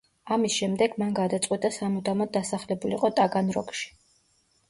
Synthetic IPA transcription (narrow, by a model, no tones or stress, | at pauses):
amisʃɛmd̪ɛɡ̥manɡad̪at̪sʼwit̪ʼasamud̪amɔd̪asaχlɛbulḭqʼɔt̪ʼaɡanɾɔ̰kʃi̥